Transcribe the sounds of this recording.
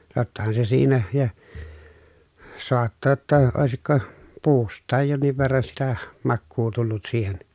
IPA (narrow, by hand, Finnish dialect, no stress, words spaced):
totːɑhɑn se siːnæ jɑ soɑtːɑː tːɑ oˑesikːo puːstˑɑːj jonːiʋ ʋerːɑn sitæ mɑkːuː tulːut siːhen